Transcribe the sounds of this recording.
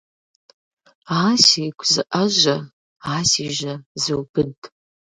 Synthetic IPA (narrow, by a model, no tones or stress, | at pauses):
asejkʷʼʰzɨʔaʒʷa | aːsiʒʷazɨwbɨdʼ